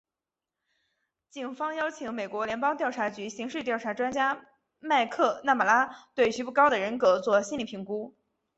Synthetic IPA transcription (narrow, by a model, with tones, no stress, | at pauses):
t͡ɕi˨˩ŋfɑ˥ŋjɑ˥ʊt͡ɕʰi˧˥ŋme˨˩ɪkwɔ˧˥ljɛ˧˥npɑ˥ŋt̪jɑ˥˩ʊʈ͡ʂʰa˧˥t͡ɕy˧˥ɕi˧˥ŋʂɻ̩˥˧t̪jɑ˥˩ʊʈ͡ʂʰa˧˥ʈ͡ʂwa˥nt͡ɕja˥ | ma˥˧ɪkʰɤ˥˧na˥˩ma˨˩la˥t̪we˥˩ɪt͡ɕy˧˥pu˥˩kɑ˥ʊd̪ə˨ɻə˧˥nkɤ˧˥t͡swɔ˥˩ɕi˥nli˨˩pʰi˧˥ŋku˥